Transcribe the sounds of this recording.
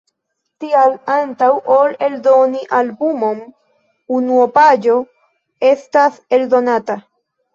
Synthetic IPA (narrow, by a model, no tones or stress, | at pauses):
t̪ialantawole̞ld̪o̞niʔalbumom | unuopad͡ʒo̞ | estase̞ld̪o̞nata